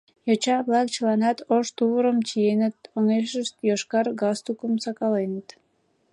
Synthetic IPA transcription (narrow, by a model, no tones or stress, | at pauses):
jot͡ɕɑβlˠɑk̚t͡ɕəlɑnɑt̪oʃt̪uβəɾəmt͡ɕijenət̪̚oŋeʃəʃt̪joʃkɑrɡɑst̪ukəmsɑkɑlenət̪